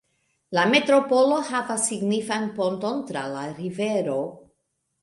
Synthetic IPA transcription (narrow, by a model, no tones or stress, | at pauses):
lame̞tɾo̞po̞lo̞havasːiɡnifanpo̞nto̞ntɾa̰laɾive̞ɾo̞